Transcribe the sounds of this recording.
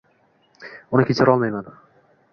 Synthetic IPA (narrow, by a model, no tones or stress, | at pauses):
ʊnakʲʰet͡ʃʰaɾɒlˠmajman